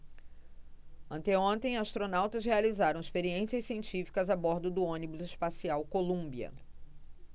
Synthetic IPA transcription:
ɐ̃nt̪eõnt̪ẽj̃ast̪ɾonawt̪ɐzɦealizaɾɐ̃w̃ɪspeɾiẽsiɐssiẽnt͡ʃifi̥kɐzabɔɾd̪ʊd̪ʊõnibʊzɪʃpasiawkolũbiɐ̰

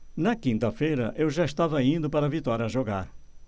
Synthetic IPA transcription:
nɐkĩnt̪ɐfejɾɐʔewʒaʃt̪avɐĩnd̪ʊpɐɾɐvit̪ɔɾiɐʒoɡa̰ɾ

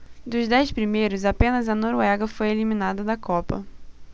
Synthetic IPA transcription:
d̪ʊzd̪ɛjspɾimejɾʊzapẽnɐzɐnoɾuɛɡɐfojelimĩnad̪ɐd̪ɐkʰɔpɐ̰

